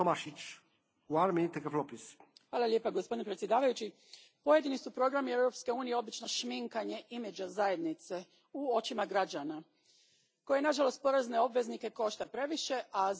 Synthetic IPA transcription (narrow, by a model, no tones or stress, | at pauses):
tomaʃit͡ʃ | uaɾmʲit̪ɛkɛflopisxʋaːlˠalʲje̞paɡospo̞d̪inpɾet̪sje̞d̪aːʋajut͡ɕi | po̞je̞d̪inisupɾo̞ɡɾamiewɾo̞pske̞uːnijeo̞bit͡ʃno̞ʃmiŋkaɲe̞ʔimed͡ʑazaje̞d̪nit̪se | uo̞t͡ʃimaɡɾad͡ʒana | ko̞jenaʒalˠo̞st̪̚po̞ɾazne̞o̞bʋe̞znike̞ko̞ʃt̪apɾe̞ʋiʃe̞ʔa